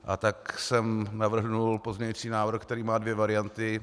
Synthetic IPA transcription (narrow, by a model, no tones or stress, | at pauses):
ʔat̪aksɛmnavr̩ɦnulpozmɲɛɲiːt͡siːnaːvr̩xkt̪ɛɾiːmaːdvjɛvaɾɪant̪ɪ